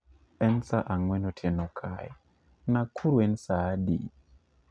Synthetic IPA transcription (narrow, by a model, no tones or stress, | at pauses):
ɛnsaʔaŋwɛnɔtʰɛnɔkʰa̰j | nakʰuɾwɛnsaːdḭ